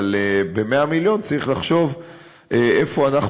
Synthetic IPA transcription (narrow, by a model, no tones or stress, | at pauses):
lebe̞meamiljo̞nt͡saʁiχlaχʃo̞v | ʔeʔefo̞anaχ